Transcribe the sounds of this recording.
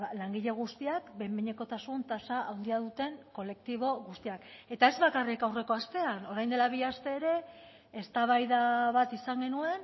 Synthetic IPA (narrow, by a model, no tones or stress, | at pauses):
laŋɡiʎe̞ɣ̞ust̪iakbe̞mbiɲe̞ko̞t̪asunt̪asaʔawnd̪iaðut̪e̞ŋko̞le̞k̚t̪iβ̞o̞ɣust̪iake̞t̪ae̞zβakarikawre̞ko̞ast̪e̞ano̞ɾajnd̪e̞laβ̞iast̪e̞ːɾe̞ː | st̪aβ̞ajðaβat̪isaŋɡe̞nue̞n